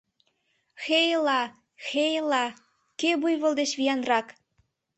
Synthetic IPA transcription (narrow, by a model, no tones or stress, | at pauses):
xejlɑ | xejlɑ | kebujβɤ̆lˠd̪et͡ɕβijɑnrɑk